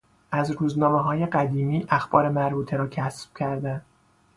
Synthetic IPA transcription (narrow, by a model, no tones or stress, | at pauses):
ʔæzɾuːznɒːmeɦɒːje̞ɢæd̪iːmiːʔæxb̥ɒːɾe̞mæɾbuːt̪ʰeɾɒːcʰæsb̥cʰæɾd̪æn